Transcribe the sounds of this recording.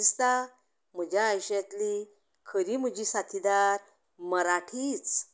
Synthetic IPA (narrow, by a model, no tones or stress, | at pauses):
st̪a | m̤əd͡ʑjaːjɕjat̪li | kʰəɾim̤əd͡ʑisat̪ʰid̪aɾ | məɾaʈʰit͡s